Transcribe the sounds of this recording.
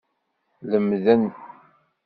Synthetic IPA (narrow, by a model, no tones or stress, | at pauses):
ləmðænx